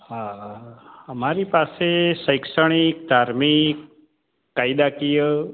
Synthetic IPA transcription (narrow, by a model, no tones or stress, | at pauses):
ɦa | əmaɾipaseʃəjkʃəɳ̃ikd̪ʱaɾmikː | ajd̪akijə